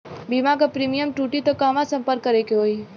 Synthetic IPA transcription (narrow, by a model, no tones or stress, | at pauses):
bimakapɾiːmijəmʈuːʈit̪okaːʋãsə̃mpəɾkːəɾekeɦoːi